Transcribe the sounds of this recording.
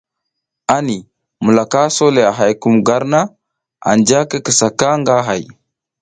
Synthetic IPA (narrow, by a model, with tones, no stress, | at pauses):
a˦ni˨ | mu˨la˨ka˦so˦le˨a˨ɦa˨jku˦mɡa˦ɾna˦ | a̰˨nd͡ʒa˦ke˦kə˨sa˨ka˦ŋɡa˦ɦa˨j